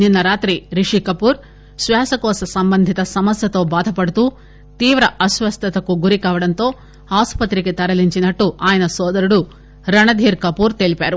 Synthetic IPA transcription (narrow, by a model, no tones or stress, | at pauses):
ninːɐɾaːt̪ɾiɾiʂikɐpuːɾ | ʃʋɛːsɐkɔːsɐsɐmbɐnd̪ʱit̪ɐsɐmɐsjɐt̪o̞ːbaːd̪ʱɐpɐɽut̪uː | t̪iːʋɾɐʔɐsʋɐst̪ʰɐt̪ɐkuɡuɾikaːʋɐɽɐnt̪o̞ː | aːspɐt̪ɾiket̪ɐɾɐliɲt͡ʃinɐʈːuaːjɐnɐsɔːd̪ɐɾuɽu | ɾɐɳɐd̪ʱiːɾkɐpuːɾt̪eːɭipaːɾu